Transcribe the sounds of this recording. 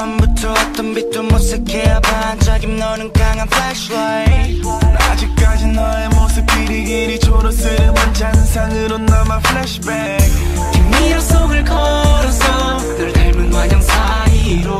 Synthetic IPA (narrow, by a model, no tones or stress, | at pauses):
ambut͡ɕʰʌːt̪͈ʌnbit̚t͈omos͈ɯkʰejapand͡ʑaɡimnʌnɯnk͈aŋanfɭɛɕwajnad͡ʑik̚k͈ad͡ʑinaemosʰɯpiɾiɡiɾit͡ɕoɾosɯɾɯwʌnt͡ɕansʰaŋɯɾʌnːamafʰɯɭɛɕɯbe | kɯmːiʌsʰoɡɯɭkʌɾʌsʰʌ | dɯɭtaɭmɯnɡwaɲʌŋsʰaiɾo